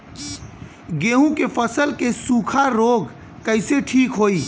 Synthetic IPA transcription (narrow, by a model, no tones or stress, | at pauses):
ɡeɦũkepʰəsəlkesũkʰaɾoɡ | kəɪseʈʰikɦoi